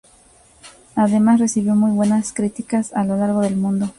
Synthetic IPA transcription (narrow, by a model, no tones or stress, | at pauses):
aðe̞masre̞siβjo̞mujβwe̞naskɾit̪ikasalo̞laɾɣo̞ðe̞lmũnd̪o̞